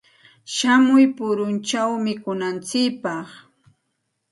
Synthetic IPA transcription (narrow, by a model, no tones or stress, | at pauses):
ʃamʊjpʊɾʊnt͡ʃawmɪkʊnant͡sɪkpɑχ